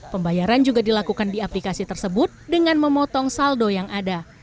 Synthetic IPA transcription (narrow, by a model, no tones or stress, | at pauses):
pəmbajaɾand͡ʒuɡadilakukandiaplikasit̪ərsəbʊt̪̚dəŋanməmɔt̪ɔŋsaldojaŋʔada